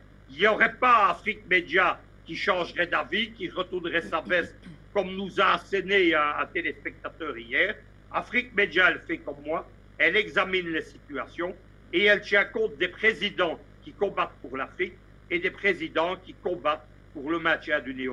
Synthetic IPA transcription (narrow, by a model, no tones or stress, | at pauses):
injɔʁɛpaafχik̚med̪ja | kʲiʃɑ̃ʒʁɛd̪avikʲiʁət̪uʁnʁɛsabɛskɔmnuzaːsɛneɛɛ̃t̪elespɛk̚t̪at̪œːʁijɛːʁ | afχik̚med̪jaɛlfɛkɔmːwa | ɛlɛɡzaminlesit̪yasjɔ̃ | eɛlt̪jɛ̃kɔ̃t̪̚d̪epχezid̪ɑ̃ | kʲikɔ̃bat̪̚puʁlafχik̚ | ed̪epχezid̪ɑ̃kʲikɔ̃bat̪̚ | puʁləmɛ̃t̪jɛ̃d̪yneo